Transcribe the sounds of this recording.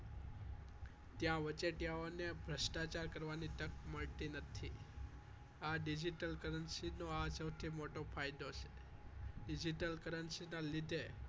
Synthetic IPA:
t̪jãʋət͡ʃeʈjaonebʱɾəsʈat͡ʃaɾkəɾʋaniʈ̪əkməɭt̪inət̪ʰi | aɖid͡ʒiʈəlkəɾənsinoasəwt̪ʰimoʈopʰajd̪ot͡ʃʰe̥ | ɖid͡ʒiʈəlkəɾənsinalid̪ʱe

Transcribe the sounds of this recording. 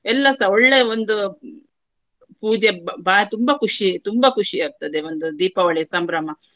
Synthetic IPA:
ɛlːɐsɐoɭːeond̪u | puːd͡ʒebaːet̪umbɐkuʂit̪umbɐkuʂiaːɾt̪ɐd̪eond̪ud̪iːpɐʋɐɭesɐmbɾɐmɐ

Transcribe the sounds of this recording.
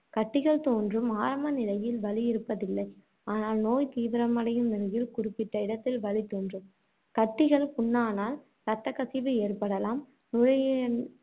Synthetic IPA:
kɐʈːɪɣɐɭt̪oːndrɯmaːɾɐmɐnɪlɐjɪlʋɐlɪjɪɾɯpːɐðɪlːɐɪ | aːnaːlnoːjt̪iːʋɪɾɐmɐɽɐjɯmnɪɾɐjɪlkʊrɪpːɪʈːɐɪɽɐt̪ːɪlʋɐlɪt̪oːndrɯm | kɐʈːɪɣɐɭpʊɳːaːnaːl | ɾɐt̪ːɐkɐsɪʋɯeːrpɐɽɐlaːm | nʊlɐj

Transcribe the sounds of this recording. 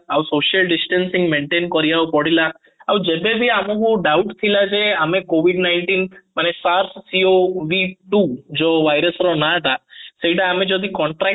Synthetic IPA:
aʋusoʃəlɖisʈənsĩŋɡmeɳʈenkɔɾijaopɔɽila | aʋ̃d͡ʒebebʱiamokuɖauʈt̪ʰilad͡ʒeamẽkoʋiɖnaɪɳʈinmanesaɾssioʋiʈud͡ʒoʋajɾəsɾonaət̪asejɖaamẽd͡ʒod̪ikɔɳʈɾa

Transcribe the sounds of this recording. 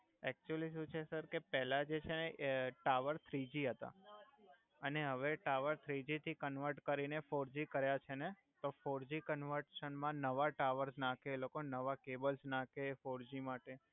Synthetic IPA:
ɛk̚t͡ʃuəliʃ̬ũt͡ʃʰesəɾkepɛlad͡ʒet͡ʃʰeeʔʈaʋəɾt̪ʰɾid͡ʒiɦət̪a̰ | əneɦəʋeʈaʋəɾt̪ʰɾid͡ʒit̪ʰikənʋəɾʈkəɾinefoɾd͡ʒikəɾjat͡ʃʰene | t̪ofoɾd͡ʒikənʋəɾʈʃənmãnəʋaʈaʋəɾsnãkelokonəʋakebəlsnãkefoɾd͡ʒimaʈe

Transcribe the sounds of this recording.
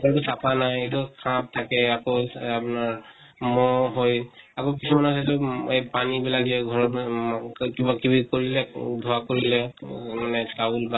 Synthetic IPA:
kɔɹtusapanajetukʰãp̚tʰakɛakoapunaɹ | mɔɦojakokisumanasɛtʊejpanibilaɡiɛɡʱɔɹɔ | kibakibikoɹilɛdʱɔakoɹilɛmanɛsaulba

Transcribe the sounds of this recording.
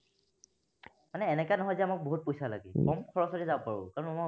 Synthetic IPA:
manɛːnɛkanɔɦɔjzɛamak̚boɦut̚pojsala̰ɡḭkɔmkʰɔɹɔsɔtɛzabɔpaɹʊ̰kaɹɔnama

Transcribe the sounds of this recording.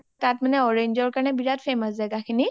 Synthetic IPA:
katmanɛɔɹeɲd͡ʒɔɹkaɹnɛbiɹat̚pʰeməs̬zajɡakʰini

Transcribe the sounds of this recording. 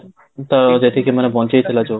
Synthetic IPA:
t̪aɾd͡ʑat̪ʰekemanebɔnt͡ɕejt̪ʰelad͡ʑo

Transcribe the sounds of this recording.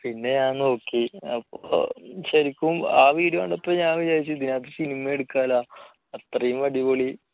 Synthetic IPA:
pinːe̞ɲaːnno̞ːkːiɐpːo̰ɕɐɾikʲːumaːʋiːɾɐma̰ːɳɖɐpːɐːɲaːʋid͡ʑajit͡ɕːɨd̪inaːt̪̬ːesinimɐeɽukːaːlaː | ɐt̪rɐjumʋɐɽiboɭi

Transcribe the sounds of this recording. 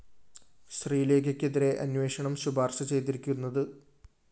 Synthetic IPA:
ɕriːleːɡɐkʲːeðiɾe̞ʔɐ̰nwe̞ːʂɐɳɐmɕubʱaːrɕɐt͡ɕe̞jt̪iɾikʲːunːɐðɨ

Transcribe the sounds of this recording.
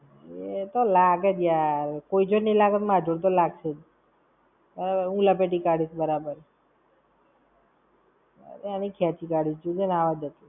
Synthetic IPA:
et̪olaɡet̪jaɾkoid͡ʒonelaɡət̪mad͡ʒuɽt̪̬olaɡt͡ʃʰed͡ʒ | bəɾabəũləpeʈikaɽisbəɾabəɾ | ə̰ɾeanikʰjat͡ʃikaɽid͡ʒt͡ʃud͡ʒenaʋad̪ət̪i

